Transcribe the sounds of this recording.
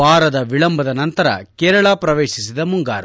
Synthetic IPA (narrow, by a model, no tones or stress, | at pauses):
aːɾɐd̪ɐʋiɭɐmbʱɐd̪ɐnɐnt̪ɐɾɐ̰kɛːɾɐɭaːpɾɐʋeːʃisid̪ɐmuŋɡa̰ːɾ